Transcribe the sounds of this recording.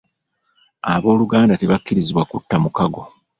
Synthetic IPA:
aβo̞ːluɡaːndate̞βakːiɾiziβwakutːamukaɡo̞

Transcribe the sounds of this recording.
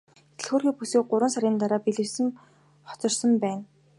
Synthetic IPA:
t̪ɘ̆ɮxoːrxʲiːpusiːk̚ɢʊɾə̆nsaɾʲiːnt̪aɾaːpiɮɘ̆rsɘ̆m | χɔ̥t͡sɞ̆rsə̆mpæːn

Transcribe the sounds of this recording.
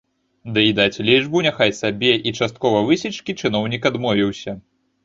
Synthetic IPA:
d̪ɨid̪at͡sʲlʲiʐbunʲaxajsabʲɛʔit͡ʂast̪̚kɔvɐvɨsʲit͡ʂkʲit͡ʂɨnɔwnʲikad̪mɔvʲiwsʲɐ

